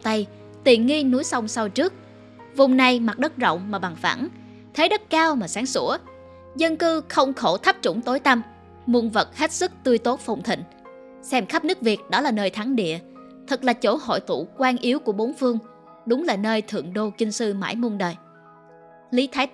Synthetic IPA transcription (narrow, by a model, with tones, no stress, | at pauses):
t̪a˧j | t̪i˨˩ənŋi˧nu˨˦jsa˧wŋ͡msa˧wt͡ɕɨ˦˥ək̚ | vʊ˨˩ŋ͡mna˨˩jma˨˩t̚ɗə˦˥t̚zə̰˧˨wŋ͡mmaː˨˩ɓa˨˩ŋfa̰˧˩n | t̪ʰe˨˦ɗə˦˥t̚kaː˧wmaː˨˩saː˨˦ŋsu˧˩ə | zə˧nkɨ˧xə˧wŋ͡mxo˧˩t̪ʰa˦˥p̚t͡ɕʊ˧˩ŋ͡mt̪o˨˦jt̪a˧m | mu˧˩nvə˨˩t̚he˦˥t̚sɨ˦˥k̚t̪ɨ˧əjt̪o˦˥t̚fa˨˩wŋ͡mt̪ʰḭ̈˧˨ŋ̟ | sɛ˧mxa˦˥p̚nɨ˦˥ək̚vi˨˩ət̚ɗɔ˨˦laː˨˩nəː˧jt̪ʰa˨˦ŋɗḭ˧˨ə | t̪ʰɨ˨˩k̚laː˨˩t͡ɕo˧˩ɦo̰˧˨jt̪ṵ˧˩˨kwaː˧nʔi˨˦əwku˧˩əɓo˨˦nfɨ˧əŋ | ɗʊ˨˦ŋ͡mlaː˨˩nəː˧jt̪ʰɨ̰˧˨əŋɗo˧t͡ɕï˧ŋ̟sɨ˧ma̰ː˧˩jmu˧ənɗəː˨˩j | li˨˦t̪ʰaː˨˦